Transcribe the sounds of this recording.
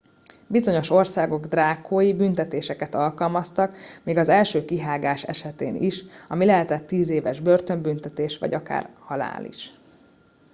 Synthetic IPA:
bizo̞ɲo̞ʃo̞rsaːɡo̞ɡd̪raːkʰoːjibynt̪ɛt̪eːʃɛkɛt̪ɒlkɒlmɒst̪ɒkmiːɡɒzɛlʃøːkiɦaːɡaːʃɛ̰ʃɛt̪ḛːniʃɒmilɛɦɛt̪ɛt̪ːiːzeːvɛʒbø̞rt̪ø̞mbynt̪ɛt̪eːʃʋɒ̰ɟɒka̰ːrhɒla̰ːlḭʃ

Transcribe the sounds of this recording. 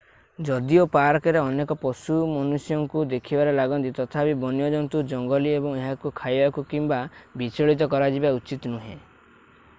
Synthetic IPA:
d͡ʒɔd̪iopaɾkɔɾeɔnekɔpɔsumɔnusjɔŋkud̪ekʰibaɾelaɡɔnt̪it̪ɔt̪ʰapibɔnijɔd͡ʒɔnt̪ud͡ʒɔŋɡɔliebɔŋeɦakukʰajbakukimbabit͡ʃɔɭit̪̬ɔkɔɾad͡ʒibaut͡ʃit̪nuɦḛ̃

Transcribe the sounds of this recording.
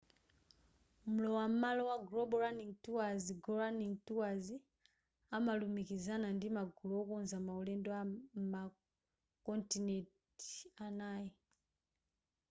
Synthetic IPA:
m̩lɔwam̩malɔwaɡlɔɓɔɾaniŋtuwaziɡɔɹaniŋtuwazi | amalumikizanandimaɡʱulɔɔkunzamaulɛndɔama | kɔntinɛt | i̥anaːji

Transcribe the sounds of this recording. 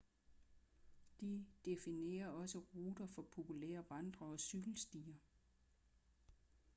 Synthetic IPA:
d̥id̥e̝fine̝̰ːɐɒ̽səʁuːd̥ɐfɒ̽pʰo̝pʰulḛːɐʋɑ̈nd̥ʁɐɒ̽syɡ̥l̩sd̥iːɐ

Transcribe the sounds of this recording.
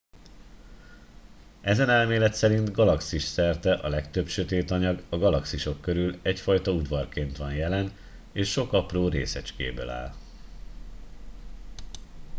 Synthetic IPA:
ɛzɛnɛlmeːlɛt̪sɛɾint̪ɡɒlɒksiʃsɛrt̪ɛʔɒlɛkt̪ø̞pʃøt̪eːt̪ɒɲɒɡɒɡɒlɒksiʃo̞kːø̞ɾylɛcfɒjt̪ɒud̪ʋɒrkeːnt̪ʋɒnjɛlɛn | eːʃːo̞kɒproːɾḛːsɛt͡ʃkḛːbø̰ːla̰ːl

